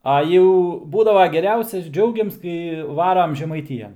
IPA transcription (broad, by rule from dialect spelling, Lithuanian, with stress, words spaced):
ˈɐ jɛʊ ˈbuːdɐʋoː ɡʲɛˈrʲɛʊsʲɛs ˈd͡ʒʲɛʊɡʲɪms kɐɪ ˈʋɑːrɐm ʒʲɛmɐɪˈtʲɪjɛn